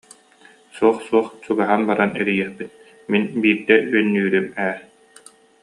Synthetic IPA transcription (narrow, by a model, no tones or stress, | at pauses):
suɔχsuɔχt͡ɕuɡaɦanbaɾanɛɾijɛχpit̪̚ | minbiːɾd̪ɛyœnːyːɾymɛːɾ